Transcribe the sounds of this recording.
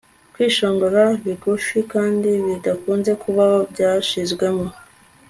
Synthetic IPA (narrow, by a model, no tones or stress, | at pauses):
kwiːʃo̞ːŋɡoɾaβiɡufikaːndiβidakuːnze̞kuβahobɟaːʃizɡwe̞mo̞